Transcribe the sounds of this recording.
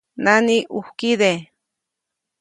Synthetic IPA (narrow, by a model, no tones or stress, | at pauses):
naniʔuhkiðe